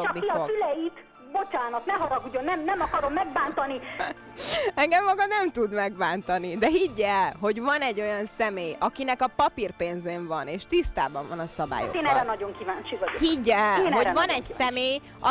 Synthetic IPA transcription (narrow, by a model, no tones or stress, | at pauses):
ot͡ʃɒniioylɛjit̪ | bo̞t͡ʃaːnɒt̪nɛɦɒɾɒɡuɟo̞nɛmnɛmɒkɒɾo̞mːɛɡbaːnt̪ɒni | ɛŋɡɛmːɒɡɒnɛmt̪ud̪mɛɡ̚baːnt̪ɒnid̪ɛɦiɟːɛlɦo̞ɟvɒnɛɟːo̞jɒnsɛmeːjɒkinɛkɒpɒpirpeːnzeːɱvɒneːʃt̪ist̪a̰ːbɒɱvɒnɒsɒba̰ːjo̰eːnɛɾɛnɒɟo̞ŋkivaːnt͡ʃivɒohiɟːɛːnho̞vɒnɛɟsɛmeːj | ɒ̰